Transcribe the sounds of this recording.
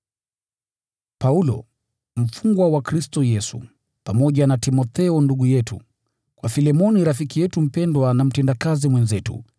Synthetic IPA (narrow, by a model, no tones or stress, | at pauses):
paulɔ̰ | m̩fuŋɡwawakɾistɔjɛsṵ | pamɔʄanatimɔθɛɔnduɠujɛtṵ | kwafilɛmɔniɾafikijɛtum̩pɛndwanam̩tɛndakazimwɛnzɛtṵ